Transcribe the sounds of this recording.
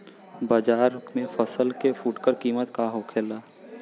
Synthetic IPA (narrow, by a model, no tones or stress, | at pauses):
baːd͡ʒaːɾmẽfʰəsəlkefuːʈkəɾkiːmət̪kaɦokʰeːlaː